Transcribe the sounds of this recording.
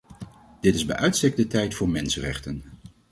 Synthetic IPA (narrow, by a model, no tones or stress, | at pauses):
d̥ɪtɪzbɛ̰jʔœɥtstɛk̚dətɛjtfʊːɹmɛnsənrɛ̰χtən